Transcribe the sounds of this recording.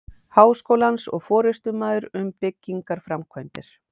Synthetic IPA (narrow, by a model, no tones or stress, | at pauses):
haːwskoːwlansɔ̰ɣfɔːɾɪst̪ʏmaːðʏɾʏmpɪcːiŋkaɾ̥fɾamkʰvœjnt̪ɪɾ̥